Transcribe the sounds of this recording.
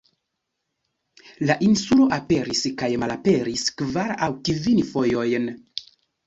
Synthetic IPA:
laʔinsulo̞ʔape̞ɾiskajmalape̞ɾiskvaɾawkivinfo̞jo̞jn

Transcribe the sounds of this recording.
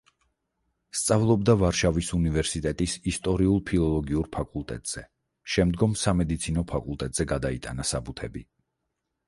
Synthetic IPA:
st̪sʼavlˠɔb̚d̪avaɾʃavisunivɛɾsit̪ʼɛt̪ʼisist̪ʼɔɾiulˠpʰilˠɔlˠɔɡiuɾpʰakʼulˠt̪ʼɛ̰t̪ʼz̥ɛ | ʃɛmd̪ɡɔmsamɛd̪it̪sʰinɔpʰakʼulˠt̪ʼɛt̪ʼz̥ɛɡad̪ait̪ʼanasabut̪ʰɛbi

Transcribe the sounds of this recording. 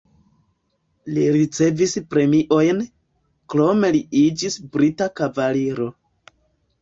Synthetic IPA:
liɾit͡se̞vispɾe̞miʔo̞jn | kɾo̞me̞liid͡ʒisbɾitakavaliɾo̞

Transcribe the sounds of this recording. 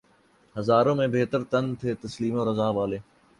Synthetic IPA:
hɐzaːɾõːmẽbeːt̪əɾt̪ɐnt̪ʰeːt̪ɐsliːmõːɾɐzaːʋaːleː

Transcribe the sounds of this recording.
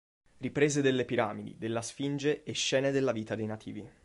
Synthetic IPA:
ripɾeːzed̪elːepiɾaːmid̪ḭd̪elːasfind͡ʒeeʃːɛːned̪elːaviːt̪ad̪ejnat̪ʰḭːvi

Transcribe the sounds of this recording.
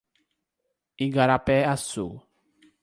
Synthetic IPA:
iɡaɾapɛasu

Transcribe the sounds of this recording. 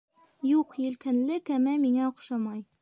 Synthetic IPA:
juqjɘ̆lkɘ̆nlɘkæmæmiŋæŏqʃɑmɑj

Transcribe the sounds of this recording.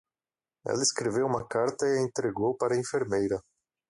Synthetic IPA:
ɛ̰lɐɪskɾevewũmɐkaɾt̪ɐɪẽnt̪ɾeɡowpaɾɐĩfeɾmejɾɐ

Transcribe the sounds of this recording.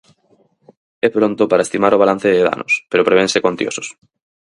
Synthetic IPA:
ɛpɾont̪ʊpaɾaest̪imaɾoβ̞alan̟θeðeða̰nʔoʊ̰speɾopɾeβẽnsekont̪jo̰sʊ̥s

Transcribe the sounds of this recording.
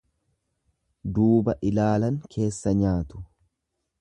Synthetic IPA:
d̪uːbɐʔɪlaːlɐŋkʰe̞ːsːɐɲaːt̪ʊ̥

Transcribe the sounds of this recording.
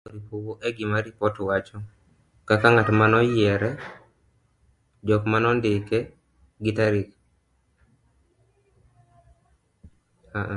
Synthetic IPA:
oɾipowoʔeɡɪmaɾipɔtwat͡ʃɔ | kakaŋatmanɔjɛɾɛ | d͡ʒɔkmanɔndɪke | ɡɪtaɾik | a

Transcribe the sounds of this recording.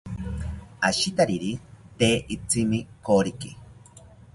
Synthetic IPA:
aʃit̪aɾiɾit̪eːʔit͡simikoɾiki

